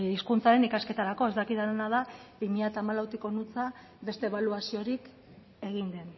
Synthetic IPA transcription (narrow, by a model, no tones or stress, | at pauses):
iskunt͡saɾe̞nikaske̞t̪aɾako̞e̞zd̪akiðanaðabimiʎat̪aːmalawt̪iko̞nut͡sa | be̞st̪e̞βaluasio̞ɾik | e̞ɣ̞ind̪e̞n